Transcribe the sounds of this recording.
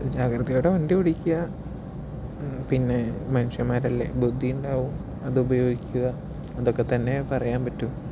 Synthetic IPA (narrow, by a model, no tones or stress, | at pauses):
d͡ʑaːɡɾɐðɐjoɽeʋɐndiuɽikʲːuɣɐ | pinːe̞mɐnuʂjɐmaːɾɐlːḛbud̪ʱːijuɳɖaːʋum | ɐðɨubɐjo̞ːɡikʲːuɣɐ | ɐðokːe̞t̪ɐnːe̞pɐrɐjaːnpɐtːum